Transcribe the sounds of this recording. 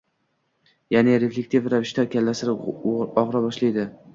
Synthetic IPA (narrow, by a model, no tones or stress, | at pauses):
janɪɾeflʲek̚t̪ʰivɾavɪʃt̪akʲalːasɪɾɒʁɾabɒʃlajd̪ɪ